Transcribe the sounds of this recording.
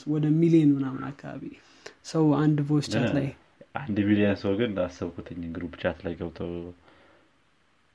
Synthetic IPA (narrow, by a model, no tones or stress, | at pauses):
wɔd̪əmilijenmɨnamnʔa̰kʰːaβa̰βi | səwand̪vojst͡ʃat̪laj | ʔand̪milijənsəwɡɨnasəβkʰut̪ʰəɲːɨŋɡɨd̪ubɨ̥t͡ʃːat̪lajɡəβt̪ʰəw